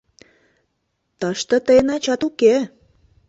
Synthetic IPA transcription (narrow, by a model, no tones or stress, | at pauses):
t̪əʃt̪ə̆t̪əjənɑt͡ɕɑt̪uke